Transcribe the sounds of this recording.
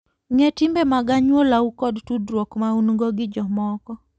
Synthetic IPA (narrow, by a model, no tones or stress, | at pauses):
ŋɛtɪmbemaɡaɲwolaukɔdtudɾwokmaunŋɡoɡɪd͡ʒɔmɔkɔ